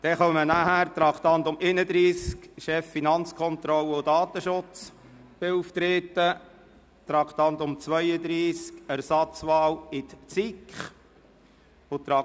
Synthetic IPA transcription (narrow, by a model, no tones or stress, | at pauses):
d̥ɛχœmənæɦæːɾt̪ɾɑkʰt̪ɑnt̪ʊmʔenəd̪ɾiːskʃɛfːinɑnt͡skʰɔnt̪ɾɔləʊdɑːt̪əʃʊt͡s | b̥ɪuːft̪ɾeːt̪ːə | t̪ɾɑkʰt̪ɑnt̪ʊmt͡sʋœjəd̪ɾiːskæɾsɑt͡sʋɑːlɪt̪t͡sikχ | ʊt̪ɾɑ